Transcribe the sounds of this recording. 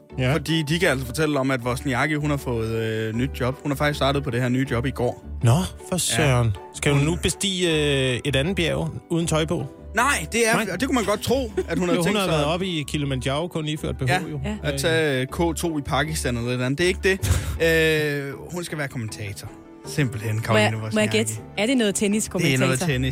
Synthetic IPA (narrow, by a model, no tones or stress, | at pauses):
ffɒd̥ḭːd̥ikææl̰sɒfɒ̽t͡sʰel̰ɒ̽mæd̥ʋɒsniɑɡ̥əɦunhɑ̈fɔ̽ːð̞̩ˠønyd̥̚djɒ̽b̥hunɑfɑ̈ɡ̥isdɑ̈ːd̥ð̩ˠpʰɒ̽ɾ̥e̝heɐ̰nyːd̥jɒ̽b̥iɡ̥ɒ̰ːnɒfɒsɶnsɡ̥ædunub̥e̝sd̥ḭːe̝ɾænð̩ˠb̥jɛʊuːð̞ˠn̩t͡sʰɒ̽ɪb̥ɔ̰ː | nɑ̈ɪ̰d̥e̝æɐɒd̥ekumænɡ̥ɒ̽d̥̚t͡sʰʁo̝̰ːæd̥hunhɑhnhɑ̈ʋæɐð̩ˠɒ̽b̥ikʰilmændjɑ̈ʊkʰɔ̽nliːføɐ̰d̥̚b̥e̝ɦɔʊjo̝æt͡sʰɛkʰɔ̰ːt͡sʰo̝̰ːipʰɑ̈ɡ̥isd̥ænelðˠedæn̩d̥e̝e̝ɡ̥əd̥e̝ø | hunsɡ̥æʋæːɐkʰoment͡sʰɛ̰ːt͡sʰɐ | sem̰b̥l̩hen̰kʰɒmnuɒɡed̥æɐd̥enɔ̽ːð̩ˠt͡sʰeniskʰomnɔːð̩ˠʰeni